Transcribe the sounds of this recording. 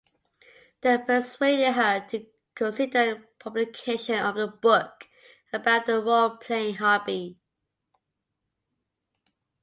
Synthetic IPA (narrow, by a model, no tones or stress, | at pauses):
ðeɪpʰəsweɪɾɪd̚ɦətʰə | kʰə̃nsɪdəəpʰʌblɪkʰeɪʃə̃nəvðəbʊk | əbaʊʔðəwɜlpʰl̥ẽɪɪ̃ŋɦɑbi